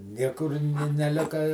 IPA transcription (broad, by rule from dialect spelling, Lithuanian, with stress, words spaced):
ˈnʲiɛkʊr nʲɪ nʲɛˈlʲɪkɐ ɪ